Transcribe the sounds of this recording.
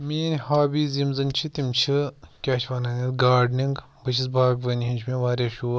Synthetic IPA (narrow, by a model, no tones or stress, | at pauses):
miːnʲhaːbiːzimzɐnʲt͡ʃʰit̪imt͡ʃʰɨkʲaːʃʋaːnɐnʲit̪ɡaːɖniŋɡ | bɐʃ̬ʰis̬baːɡʋɐniɦinʲt͡ʃʰmiːʋaːɾʲɐːʃuː